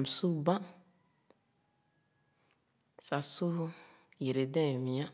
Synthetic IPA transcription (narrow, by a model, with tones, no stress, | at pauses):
m̩˨su˦ba˦ | sa˨sʊ˦ | je˨ɾe˨dɛ̃˦˨mĩ˨ã˦